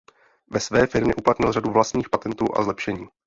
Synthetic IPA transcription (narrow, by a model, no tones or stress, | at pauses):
vɛsvɛːfɪɾmɲɛʔuplat̪ɲɪlraduvlast̪ɲiːxpat̪ɛnt̪uːʔa̰zlɛpʃɛɲiː